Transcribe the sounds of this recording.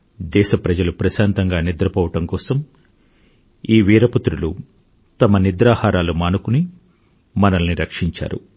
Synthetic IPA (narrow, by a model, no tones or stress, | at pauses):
d̪ɛːʃɐpɾɐd͡ʒɐlupɾɐʃaːnt̪ɐŋɡaːnid̪ɾɐpɐʋɐʈɐmkɔːsɐm | iːʋiːɾɐput̪ɾulu | t̪ɐmɐnid̪ɾaːhaːɾaːlumaːnukuni | mɐnɐlniɾɐkʂiɲt͡ʃa̰ːɾṵ